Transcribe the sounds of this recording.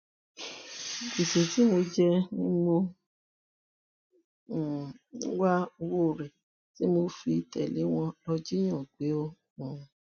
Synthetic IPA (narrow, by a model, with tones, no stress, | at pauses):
i˨se˨ti˨˦mo˧d͡ʒɛ˦nĩ˦mõ˧˨ | ũ˦wa˦o˧wo˦˨ɾɛ˨ | ti˦mo˧fi˧tɛ̰˨li˨˦w̃ɔ̃˧lɔ˧d͡ʒi˦j̃ɔ̃˦˨ɡ͡be˨˦õ˦˨